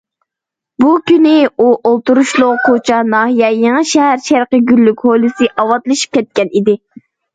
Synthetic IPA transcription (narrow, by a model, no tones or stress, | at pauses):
bukʲynɪuʔolˠt̪uɾuʃlˠʊqqʰot͡ʃʰɑnɑːhijɛjeŋɨʃɛɦæɾʃæɾqəɡʲylːykʲholˠɨsɨʔɑwɑt̪lˠɨʃi̥p̚kʲʰɛt̪̚kʲɛnid̪ɪ